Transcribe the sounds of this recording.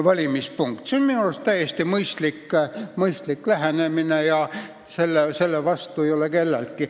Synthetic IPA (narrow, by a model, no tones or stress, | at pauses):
vɑlʲimispuŋkt̪seonminust̪æjest̪imɤjst̪likːmɤjst̪likːlæɦeneminejɑ | se̞lːese̞lːevɑst̪uejo̞leke̞lːelt̪̚ki